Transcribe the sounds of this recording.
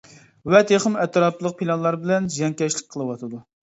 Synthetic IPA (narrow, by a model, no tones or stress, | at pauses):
wɛt̪ʰeχəmɛt̪ʰɾɑplˠəq̚pʰilˠɑnlˠɑɾbɪlɛnzjɛŋkʲɛʃlɪkʲqʰəlˠɨwɑt̪ʰɨd̪u